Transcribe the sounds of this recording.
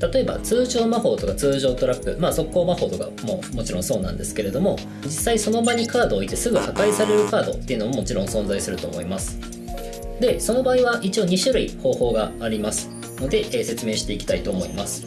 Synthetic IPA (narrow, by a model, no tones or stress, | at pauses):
t̪at̪o̞e̞ba̰t͡sɨːʑo̞ːmaɸo̞ːt̪o̞kat͡sɨːʑo̞ːt̪o̞ɾapːɯ̟̰maːso̞kːo̞ːmaho̞ːt̪o̞ka̰momo̞t͡ɕiɾõso̞ːnã̰nd̪e̞sɨ̥ke̞ɾe̞d̪o̞mo̞ | d͡ʑisːaiso̞no̞baɲ̟ikaːd̪o̞ːit̪ːe̞sɨɡɯ̟hakaisaɾe̞ɾɯ̟kaːd̪ot̪ːe̞ɯ̟no̞momo̞t͡ɕiɾõ̞ɰ̃sõ̞nzaisɨɾɯ̟t̪o̞ːmo̞̰imasɨ̥ | d̪e̞so̞no̞baːiβaʔit͡ɕio̞ːɲ̟iɕɨɾɯ̟iho̞ːho̞ːɡaːɾʲimasɨ̥ | no̞d̪e̞ʔse̞t͡sɨme̞ːɕi̥t̪e̞ikʲi̥t̪ait̪o̞ːmo̞ḭmasɨ̥